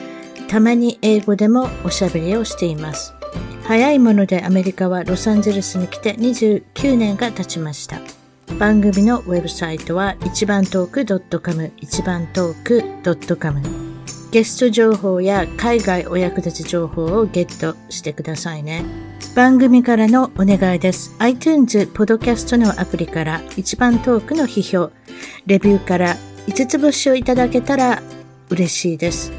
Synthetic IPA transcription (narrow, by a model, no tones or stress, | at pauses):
t̪amaɲ̟iʔe̞ːɡo̞d̪e̞mo̞ːɕabe̞ɾʲio̞ɕi̥t̪e̞imasɨ̥hajaimo̞no̞d̪e̞ʔame̞ɾʲikaβ̞aɾo̞sãɲd͡ʑe̞ɾɯsɨɲ̟ikʲi̥t̪e̞ɲ̟iʑɨːkʲɨːnẽ̞ŋɡat̪at͡ɕimaɕi̥t̪a̰ | b̥ãŋɡɯ̟mʲino̞βe̞bɯ̟sait̪o̞βait͡ɕibãnt̪o̞ːkɯ̟d̪o̞t̪ːo̞komɯ̟it͡ɕibãnt̪o̞ːkɯ̟d̪̥o̞t̪ːo̞komɯ̟ɡ̥e̞sɨ̥t̪o̞ʑo̞ːɦo̞ːjakaiɡaiʔo̞jakɯ̟d̪at͡ɕiʑo̞ːho̞ːoɡe̞t̪ːo̞ | ɕi̥t̪e̞kɯ̟d̪asaine̞ | b̥ãŋɡɯ̟mʲikaɾano̞one̞ɡaid̪e̞sɨ̥ait͡ɕ̪ɨːnzɨpo̞d̪o̞kʲasɨ̥t̪o̞no̞ʔapɯ̟ɾʲikaɾait͡ɕibãnt̪o̞ːkɯ̟no̞çiço̞ː | ɾe̞bʲɨːkaɾait͡sɨt͡sɨbo̞ɕio̞it̪ad̪ake̞t̪aɾa | ɯ̟ɾe̞ɕiːd̪e̞sɨ̥